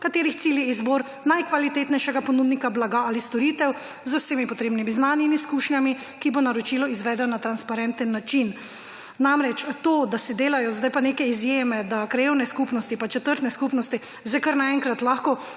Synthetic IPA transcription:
kat̪eːɾixt̪siːljɛizboːɾ | najkʋalit̪eːt̪nɛjʃɛɡapɔnuːd̪nikablaɡaalist̪ɔɾit̪ɛw | zʊsemipɔt̪ɾeːbnimiznaːnjimiskuːʃɲami | kibɔnaɾɔt͡ʃilɔizʋɛd̪ɛnat̪ɾanspaɾɛnt̪ənːat͡ʃin | namɾɛt͡ʃt̪od̪asɛd̪eːlajɔzd̪ajpaneːkɛizjeːmɛd̪akɾajeːwnɛskupnɔst̪ipat͡ʃɛt̪əɾt̪nɛskupnɔst̪i | zajkəɾnaɛŋkɾat̪laxkɔ

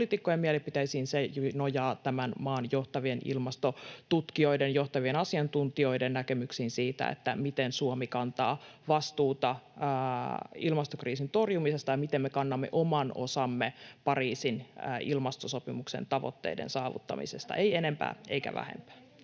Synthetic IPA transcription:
lit̪ikːojemielepit̪æisiːnsejunojɑːt̪æmænmɑːnjoht̪ɑʋienḭlmɑst̪ot̪ut̪kioidenjoht̪ɑʋienɑsiɑnt̪unt̪io̞idennækemyksiːnsiːt̪æ̰ḛt̪ːæmit̪ensuomikɑnt̪ɑ̰ːʋɑst̪uːt̪ɑː | ilmɑst̪okriːsint̪orjumisest̪ɑjɑmit̪emmːekɑnːɑmːḛʔomɑno̰sɑmːepɑriːsinːilmɑst̪osopimuksḛnt̪ɑʋo̰t̪ːḛidḛnsɑːʋṵt̪ːɑ̰mḭsest̪ɑ̰eienempæ̰ːḛikæ̰ʋæ̰hḛmpæ̥ː

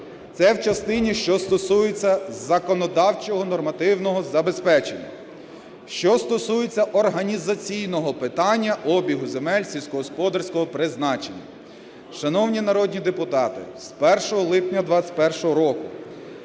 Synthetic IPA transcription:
t̪sɛwt͡ʃɐst̪ɪnʲiʃt͡ʃɔst̪ɔsujet͡sʲːɐzːɐkɔnɔd̪ɑwt͡ʃɔɦɔnɔrmɐt̪ɪwnɔɦɔzɐbe̞spɛt͡ʃḛnʲːɐ̰ | ʃt͡ʃɔst̪ɔsujet͡sʲːɐʔɔrɦɐnʲizɐt͡sʲijnɔɦɔpɪt̪ɑnʲːɐʔɔbʲiɦʊzemɛlʲsʲilʲsʲkɔɦɔspɔd̪ɐrsʲkɔɦɔpɾɪznɑt͡ʃenʲːɐ̰ | ʃɐnɔwnʲinɐɾɔdʲnʲid̪epʊt̪ɑt̪ɪ̰spɛrʃɔɦɔlˠɪpnʲɐd̪ʋɑt͡sʲɐ̥t̪ʲpɛrʃɔɦɔɾɔkʊ

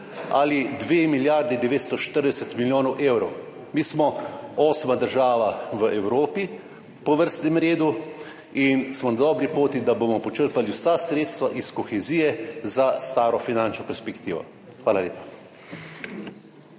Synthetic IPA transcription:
a̰lid̪ʋemiljaɾd̪ɛd̪ɛʋeːt̪st̪ɔʃt̪əɾd̪ɛsɛt̪miljoːnɔwʔewɾɔw | miːsmɔɔːsmad̪əɾʒaːʋaʋəʔɛwɾoːpi | pɔʋəɾst̪nɛmɾeːd̪u | insmɔnad̪ɔːbɾipoːt̪id̪abomɔpɔt͡ʃəɾpaliwsasɾeːt̪st̪ʋaʔiskɔxɛziːjɛzast̪aːɾɔfinant͡ʃnɔpɛɾspɛkt̪iːʋɔ̰ | xʋaːlalḛːpḁ

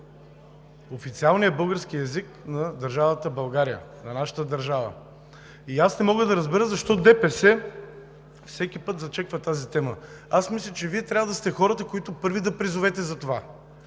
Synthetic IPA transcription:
ofit̪sialˠnijəbɤlˠɡəɾskiɛziknɐd̪ɐɾʒavət̪əbɐlˠɡaɾijə̰nɐnaʃə̥t̪əd̪ɐɾʒavə̰ | iasnɛmɔɡəd̪ɐɾɐzbɛɾəzɐʃt̪ɔd̪ɛpɛsɛ | fsɛkʲipɤt̪zɐt͡ʃɛkvɐt̪azit̪ɛmə | asmislʲət͡ʃɛviɛt̪ɾʲavəd̪ɐst̪ɛxɔɾət̪əkoit̪ʊpɤɾvid̪ɐpɾizʊvɛt̪ɛzɐt̪ova

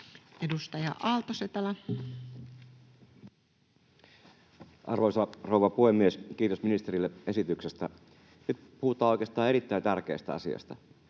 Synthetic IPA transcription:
edust̪ɑjɑ̰ʔɑlt̪oset̪ɑlɑ | ʔɑ̰rʋoisɑrowʋɑpuhemːieskiːt̪o̞sminist̪eɾilːee̞sit̪yksest̪æ | nyt̪puhut̪ˑɑːojkest̪ɑːeit̪ːæj̪t̪ærke̞̰ːst̪æ̰ɑ̰sḭɑ̰st̪ɑ

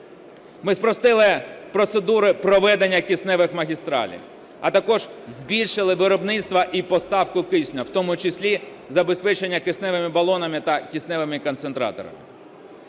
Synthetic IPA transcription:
mɪspɾɔst̪ɪlˠɪpɾɔt̪sed̪uɾɪpɾɔʋɛd̪enʲːɐkʲisnɛʋɪxmɐɦʲist̪ɾɑ̰lʲḭw | ɐt̪ɐkɔʒ̥zʲbʲilʲʃɪlˠɪʋɪɾɔbnɪt̪st̪ʋɐʔipɔst̪ɑwkʊkɪsʲnʲɐwt̪ɔmʊt͡ʃɪsʲlʲi | zɐbespɛt͡ʃenʲːɐkɪsnɛʋɪmɪbɐlˠɔnɐmɪt̪ɐkʲisnɛʋɪmɪkɔnsent̪ɾɑ̰t̪ɔ̰ɾɐ̰mɪ̰

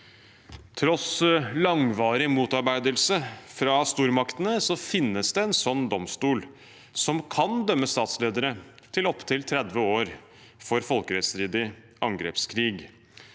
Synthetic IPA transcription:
t̪ʰɾɔslɑŋʋɑːɾɪmuːt̪ɑɾbæɪd̪əlsəfɾɑst̪uːɾmɑkt̪ənəsɔfɪnːəsd̪ɛɛnsɔnːd̪ɔmst̪uːl | sɔmkʰɑnd̪œmːəst̪ɑːt̪sleːd̪əɾət̪ʰɪlɔpːt̪ʰɪlt̪ʰɾɛd̪ʋəoːɾ | fɔɾfɔlkəɾɛt̪st̪ɾiːd̪ɪ | ʔɑŋɡɾḛːpskʰɾiːɡ

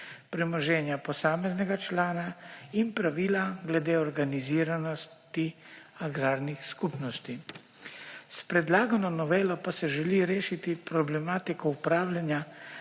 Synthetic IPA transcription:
pɾɛmɔʒɛːnjapɔsaːmɛznɛɡat͡ʃlaːnainpɾaʋiːlaɡlɛd̪eːɔɾɡaniziːɾanɔst̪iaɡɾaːɾnixskupnɔst̪i | spɾɛd̪laːɡanɔnɔʋeːlɔpasɛʒɛliɾeːʃit̪ipɾɔblɛmaːt̪ikɔupɾaːwljanja

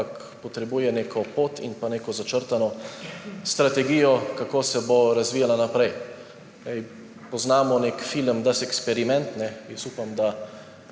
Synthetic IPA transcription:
k | pɔt̪ɾɛbujɛnekʰɔpoːt̪ḭnpaneːkɔzat͡ʃəɾt̪anɔ | st̪ɾat̪ɛɡijɔkakoːsɛboɾazʋiːjalanapɾɛj | ɛj | pɔznaːmɔneːkfiləmd̪asɛkspɛɾimɛ̃nt̪nɛjɛsuːpamd̪a

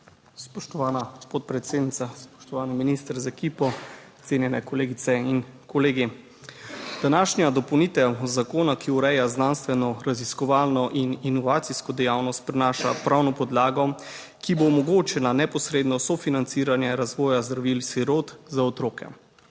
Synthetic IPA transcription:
spɔʃt̪ɔʋaːnapɔt̪̚pɾɛt̪seːd̪nit̪aspɔ̥ʃt̪ɔʋaːniminist̪əɾzaɛkiːpɔ | t̪seːnjɛnɛkɔleːɡit̪sɛinkɔleːɡi | d̪̥anaːʃnʲjad̪ɔpownit̪ɛwzakoːnakiuɾɛjaznaːnst̪ʋɛnɔɾaziskɔʋaːlnɔʔininɔʋaːt̪siskɔd̪ɛjaːwnɔst̪̚pɾinaːʃa̰pɾawnɔpɔd̪laːɡɔ | kiboːmɔɡoːt͡ʃɛlanɛpɔsɾeːd̪nɔsɔfinant̪siːɾanjɛɾazʋɔːjazd̪ɾaʋiːlsiɾot̪zaɔt̪ɾoːkɛ̰

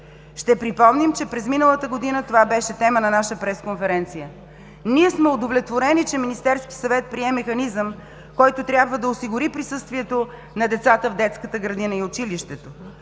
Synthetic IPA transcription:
ʃt̪ɛpɾipɔmnimt͡ʃɛpɾɛzminəlˠət̪əɡod̪inət̪ovabɛʃɛt̪ɛmənɐnaʃəpɾɛskonfɛɾɛnt̪sijə | niɛsmɛod̪ovlʲɛt̪voɾɛnit͡ʃɛminist̪ɛɾskisɐvɛt̪̚pɾiɛmɛxɐnizəm | kɔjt̪ot̪ɾʲjabvəd̪ɐosiɡʊɾipɾisɤst̪viɛt̪o | nɐd̪ɛt̪sat̪əvd̪ɛt̪skət̪əɡɾɐd̪inəiot͡ʃiliʃt̪ɛt̪o

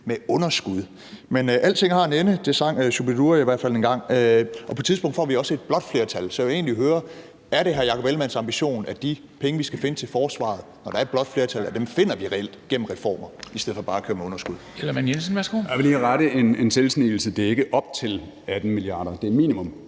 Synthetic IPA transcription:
meɔ̽nɐsɡ̥uð̞̰ˠ | menʔæl̰t͡sʰe̝ŋ̰hɑ̈e̝nenəd̥e̝sɑ̈ŋ̰øɕub̥eduɐiʋæɐd̥fæl̰enɡ̥ɑ̈ŋ̰øʔɒ̽pʰɒ̥̽t͡sʰiðˠb̥ɔ̽ŋ̰d̥fɒ̰ːʋiɒ̽səe̝d̥̚b̥lɒ̽d̥fle̝ɐt͡sʰælsɒ̽e̝̰ːnliɦøːɐ | æɐɾe̝ɦɑ̈jɑ̈kʰɒ̥elmænsɑ̈mb̥iɕo̝̰ːnæd̥i | pʰeŋəʋisɡ̥æfe̝nət͡sʰe̝lfɒːsʋɑ̰̈ð̩ˠnɒɾ̥ɑ̈ɐed̥̚b̥lɒ̽d̥fle̝ɐt͡sʰælæd̥emfe̝n̰ɐʋiʁɛel̰d̥ɡ̥em̰m̩ʁɛfɒ̰ːmɐisd̥eðˠfɒb̥ɑ̈ːækʰøːɐmeɔ̽nɐsɡ̥uðˠelɐmænjensən̩ʋæɐsɡ̥o̰ʋeleɡʁɑɾəe̝nenselsniːl̩səd̥e̝ɐe̝ɡ̥əʔɒ̽b̥t͡sʰe̝l | æd̥n̩miliɑ̰̈ːɾ̥ɐd̥e̝miːnimɔ̽m

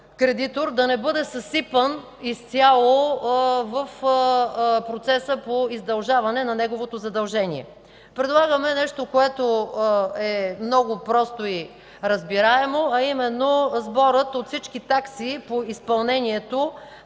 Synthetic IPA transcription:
kɾɛd̪it̪oɾd̪ɐnɛbɤd̪ɛsɐsipən | ist̪ʲjalˠo | vəf | pɾot̪sɛsəpoizd̪ɐlˠʒavɐnɛnɐnɛɡovot̪ozɐd̪ɐlˠʒɛniɛ̰ | pɾɛd̪lˠaɡəmɛnɛʃt̪okoɛt̪o | ɛmnɔɡʊpɾɔst̪oi | ɾɐzbiɾaɛmoɐimɛnːozbɔɾət̪ot̪sit͡ʃkit̪aksipoispɐlˠnɛniɛt̪o

